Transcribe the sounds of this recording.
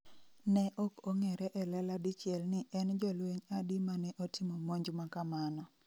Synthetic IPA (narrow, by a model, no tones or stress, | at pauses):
nɛʔɔkoŋɛɾɛʔɛlɛladit͡ʃɪɛlnɪʔɛnd͡ʒɔlweɲadimanɛʔotɪmɔmoɲd͡ʒmakamanɔ